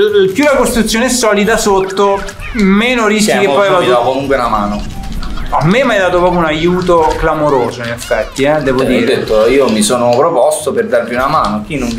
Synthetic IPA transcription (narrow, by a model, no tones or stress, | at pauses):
pjulːakost̪ɾut̪sːjoneɛsːɔːlid̪asot̪ːo | meːnoɾis̬kikempɔjeavad̪akomuŋkwenamaːno | amːemajd̪aːt̪opɾɔːpjounajuːt̪oklamoɾoːzoinefːɛt̪ːiɛd̪ɛːvod̪iːɾed̪et̪ːoiːomisoːnopɾopɔst̪operd̪arviunamaːnok̟inːoɱ